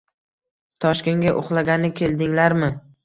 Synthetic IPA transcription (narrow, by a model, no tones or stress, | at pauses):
t̪ʰɒʃkʲe̞ŋɡʲaʔoχlˠaɡʲanɪkʲʰe̞ld̪ɪŋlaɾmɪ